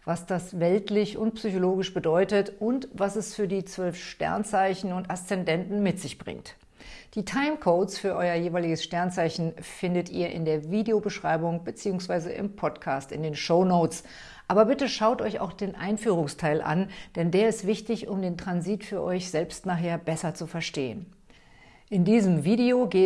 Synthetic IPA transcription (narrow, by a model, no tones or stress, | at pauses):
vasd̥asvɛltʰlɪçʊnt̚psyçoloːɡɪʃb̥ədɔʏtətʊntvasɛsfyːɐdiːt͡sv̥œlfʃtɛ̰ɐnt͡saɪçn̩ʊntast͡sɛndɛntn̩mɪtz̥ɪçb̥ʁɪ̰ŋt | d̥iːtʰaɪmkʰoːtsfyːɐʔɔʏɐjeːvaɪlɪɡəsʃtɛɐnt͡saɪçn̩fɪndətʔḭːɐʔɪ̰ndeːɐviːdeobəʃʁ̥aɪbʊŋbət͡siːʊŋsv̥aɪzəʔɪ̰mpʰɔtkʰaːstɪ̰ndeːnʃoʊnoʊt͡s | ʔaːbɐbɪtəʃaʊtʔɔʏça̰ʊxd̥eːnʔa̰ɪnfyːʁ̞ʊŋstʰaɪlʔa̰nd̥ɛndeːɐɪstv̥ɪçtɪçʊmdeːntʁ̥anziːtfyːɐʔɔʏçz̥ɛlpstnaːχɦeːɐbɛsɐt͡sufɛɐʃteːən | ʔɪndiːzəmviːdeoɡeː